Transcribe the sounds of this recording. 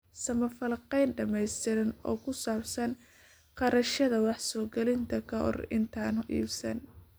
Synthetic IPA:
sɐmɐfɐlqɛjnɖɐmɛjst̪ʰɪɾɐnɔ̰ːkʰʊsaːbsɐn | qɑɾɐʃɐðɐwɑħsɔːɡɛlɪnt̪ʰɐkʰɐɦɔ̰rɪ̰nt̪ʰaːnhʊʔḭːbsɐn

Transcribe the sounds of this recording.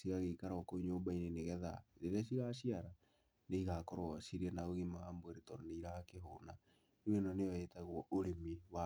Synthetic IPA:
siɣaɣekaɾɔkoɲoːmbaineneɣɛða̰ɾeɾeaʃiɣaʃiaɾa | neiɣakɔɾoɔʃiɾiɛnaoɣimawambweɾetɔɾɔneiɾakeɦona | nenɔneɔjetaɣwɔʔoɾemiwa

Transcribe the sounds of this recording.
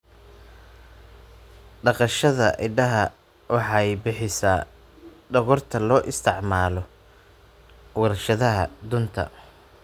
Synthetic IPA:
ɖɑqɑʃɐðɐʔɪɖɐɦɐ | wɑħɑjbɪħɪsaː | ɖɐɣɔrt̪ʰɐlɔːʔɪst̪ʰɪʕmaːlɔ | wɐɾɐʃɐðɐɦɐd̪ʊnt̪ʰɐ̰

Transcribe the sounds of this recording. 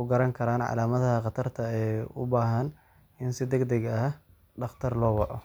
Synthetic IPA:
ʊɡɐɾɐŋkʰɐɾaːnʕɑ̰laːmɐðɐɦɐqɑt̪ʰɐrt̪ʰɐɛjʊ̰baːɦɐn | ɪnsɪd̪ɛɡd̪ɛɡɐ | ɖɑχt̪ʰɐrlɔːwɑʔɔ

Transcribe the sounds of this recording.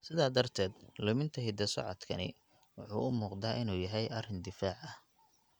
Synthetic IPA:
sɪðaːd̪ɐrt̪ʰɛːd̪lʊmɪnt̪ʰɐɦɪd̪ɐsɐ̰ʕɔ̰d̪kʰɐnɪ̰ | wʊħṵːʔʊmuːqd̪aːʔɪnuːjɐɦɛjɐrɪnd̪ɪfaːʕɐh

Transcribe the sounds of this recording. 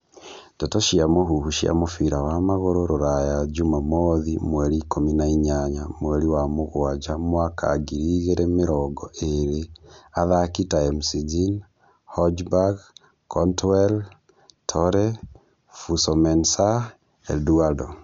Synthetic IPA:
totoʃiamoɦuhuʃia̰mofiɾawamaɣoɾoɾoɾajad͡ʒumamoðimwɛɾikominaiɲaɲamwɛɾiwamoɣwad͡ʒamwaka̰ɡiɾiːɣeɾemeɾɔɡɔʔeɾeaðakitaemsizin | hɔd͡ʒbaɡ | kɔntwɛl | tʰɔɾɛ | fusomɛnsa | ḛduado

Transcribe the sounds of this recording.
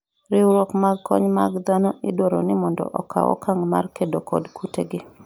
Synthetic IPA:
ɾɪwɾokmaɡ̚kʰːɔ̰ɲmaɡd̪anɔʔɪdwoɾonɪmɔndɔ̰ʔɔkʰa̰wɔ̰kʰaŋma̰rkedokɔ̰dkʰuteɡɪ

